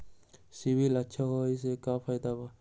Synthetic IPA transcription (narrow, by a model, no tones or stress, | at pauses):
sibilatːʃʰaɦojsekapʰajd̪aba